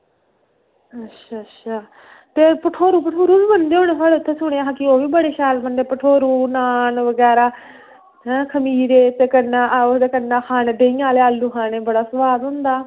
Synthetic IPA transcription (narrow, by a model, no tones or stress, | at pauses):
ətːʃʰaːtːʃʰaː | t̪eːpəʈʰoːɾuːpəʈʰoːɾuːbiːbənd̪eːɦoːneːsʰaːleːʊt̪ʰːẽːsʊɳ̃eːaːɦãːkɪoːʋiːbəɽeːʃaːlbənd̪eːpəʈʰoːɾuːnaːnʋəɡɛːɾaː | ɦɛ̃ːkʰəmiːɾeːt̪eːkənːãːʔt̪ekənːãːxʰaːneːɖeːĩjãːleːaːlːuːxʰãːneːbəɽaːsəʋaːd̪ɦʊ̃nd̪aː